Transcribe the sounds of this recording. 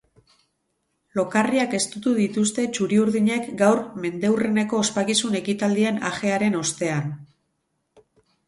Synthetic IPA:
lo̞kariake̞st̪ut̪uðit̪ust̪e̞t͡ʃuɾiuɾðiɲe̞kɡawrme̞nd̪e̞wre̞ne̞ko̞ːspakisune̞kit̪ald̪ie̞na̰ʝe̞aɾe̞no̞st̪e̞an

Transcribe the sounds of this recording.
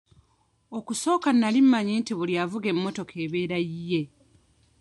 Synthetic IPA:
o̞kuso̞ːkanːalimːaɲeːntiβuljavuɡe̞mːo̞to̞kʰe̞βe̞ːɾajije̞

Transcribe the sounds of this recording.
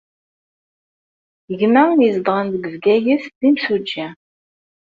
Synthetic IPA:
əʝnæizd̪ʁənd̪əɡəvɡæjəθðimsud͡ʒːæ

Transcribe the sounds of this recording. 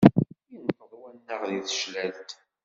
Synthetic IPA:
jənt̪əðˤwænːəʁðiθʃlælt̪

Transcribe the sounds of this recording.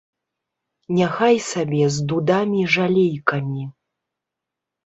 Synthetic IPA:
nʲaxajsabʲɛzd̪ud̪amʲiʐalʲejkɐmʲi

